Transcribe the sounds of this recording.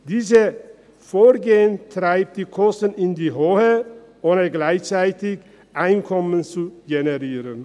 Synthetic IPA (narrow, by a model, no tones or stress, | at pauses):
d̥iːzə | foːɡeːəntʁ̥aɪp̚t̚d̥iːkʰɔstn̩ɪndiːɦoːhə | ʔoːnəɡlaɪçt͡saɪtɪç | ʔaɪnkʰɔmənt͡suɡenɛʁiːʁən